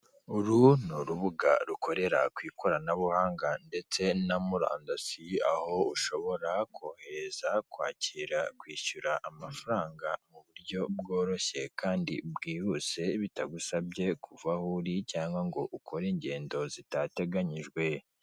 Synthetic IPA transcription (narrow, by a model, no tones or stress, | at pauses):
uɾunuɾuβuɡa̰ɾukʰo̞ɾe̞ɾa̰kwiːkʰo̞ɾanaβuhaːŋɡande̞t͡se̞namuɾa̰ːndasia̰ho̞uʃo̞βo̞ɾakʰoːheɾezakwaːciɾakwiːʃuɾaʔamafaɾaːŋɡamuβuɾɟo̞bɡo̞ːɾo̞çe̞kaːndḭbɡiːhuse̞βitaɡusabɟe̞kʰuvahuɾicaːŋɡaŋɡo̞ʔukʰoɾiɲɟe̞ːndo̞zitate̞ɡaɲiʒɡwe̞